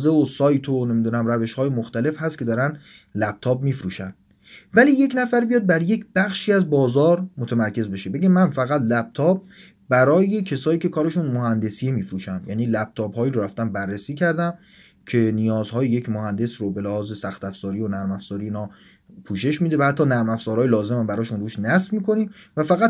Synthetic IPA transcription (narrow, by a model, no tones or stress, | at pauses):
zeosɒːjt̪ʰonemiːd̪uːnæmɾæve̞ʃhɒːjemoxt̪æle̞fhæst̪̚cʰe̞d̪ɒːɾæn | læb̚t̪ʰɒːbmiːfɾuːʃæn | væliːje̞cnæfæɾbijɒːd̪̚bæɾje̞cʰb̥æxʃiːæzbɒːzɒːɾmot̪ʰemæɾcʰe̞zbe̞ʃe̞be̞ɡemænfæɣæt̪ʰlæb̚t̪ʰɒːb̚ | bæɾɒːje̞cʰesɒːiːcʰe̞kʰɒːɾeʃunmoɦænd̪e̞siemiːfɾuːʃænd̪jæ̰ːniːlæb̥̚t̪ʰɒːbhɒːiːɾoɾæft̪ænbærːesiːcʰæɾd̪æm | cʰe̞nijɒːzhɒːjejecmohænd̪e̞sɾobe̞læhɒːze̞sæxt̪æfz̥ɒːɾiːonæɾmæfz̥ɒːɾiiːnɒː | pʰuːʃe̞ʃmid̪evæhæt̪ʰːɒːnæɾmæfz̥ɒːɾɒːjlɒːzemæmbæɾɒːʃunruːʃnæsvmiːkʰo̞niːvæfæɣæt̪